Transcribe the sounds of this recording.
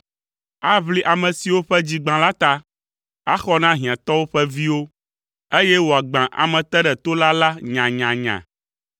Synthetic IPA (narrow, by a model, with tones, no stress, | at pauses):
a˦βli˦ʔa˨mɛ̃˨si˨wo˦ɸɛ˦d͡ʑi˦ɡ͡bã˨la˦t̪a˦ | a˦xɔ˦nã˦ɦĩ˨ã˨t̪ɔ˦wo˦ɸɛ˦vi˦wo˦ | e˦jɛ˦wo˨a˨ɡ͡bã˨ʔa̰˨mɛ̃˨t̪ɛ˦ɖɛ˨t̪o˦la˦la˦ɲã˨ɲã˨ɲã̰˨